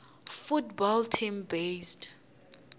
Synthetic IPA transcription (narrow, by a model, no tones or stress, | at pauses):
futbɔltʰimbesd